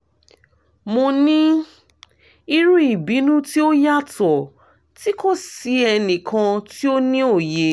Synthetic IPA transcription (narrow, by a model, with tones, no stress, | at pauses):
mo˧nĩ˦ | i˧ɾu˦i˦˨bi˨˦nũ˦ti˦o˦ja˦tɔ˨ | ti˦ko˦si˧ɛ˧nĩ˨kʰã˧ti˦o˦nĩ˦o˦˨je˨